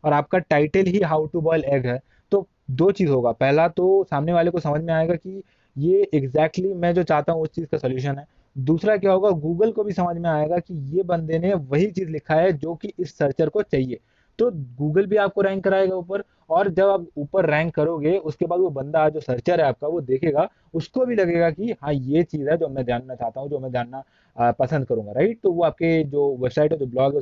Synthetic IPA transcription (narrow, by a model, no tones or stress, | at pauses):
ɔːɾaːp̚kaʈaːɪʈəlɦiɦaːʊʈubɔːɪlɛːɡɦɛː | t̪oː | d̪oːt͡ʃiːzɦoːɡaːpɛɦlat̪osaːmneʋaːlekosɐməd͡ʒʱmẽaːeːɡaki | jeɪɡzɛːk̚ʈlimɛ̃ːd͡ʒoːt͡ʃaːɦt̪aɦũʊst͡ʃiːzkasɐljuːʃ̬ənɦɛː | d̪uːsɾaek̬jaɦoːɡaɡuːɡəlkobʱisɐməd͡ʒʱmẽaːeːɡakijebɐ̃nd̪eneʋɐɦit͡ʃiːzlɪkʰaɦɛd͡ʒoːkiʔɪsːɐɾt͡ʃəɾkot͡ʃaːɦieː | t̪oːɡuːɡəlbʱiaːp̚koɾɛ̃ːŋkːɐɾaːeːɡauːpəɾ | ɔːɾd͡ʒɐbaːpuːpəɾːɛ̃ːŋkːɐɾoːɡeʊskebaːd̪ʋobɐ̃nd̪ad͡ʒoːsɐɾt͡ʃəɾɦɛaːp̚kaʋod̪eːkʰeːɡa | ʊskobʱilɐɡeːɡakiɦãːjet͡ʃiːzɦɛd͡ʒoːmɛ̃d̪jaːnːat͡ʃaːɦt̪aɦũd͡ʒoːmɛ̃d̪ʱjaːnːa | pɐsə̃nd̪̚kɐɾũːŋɡaɾaɪʈ̚t̪oʋoaːp̚ked͡ʒoːʋɛbsaːɪʈɦɛd͡ʒoːblɔːɡɦɛ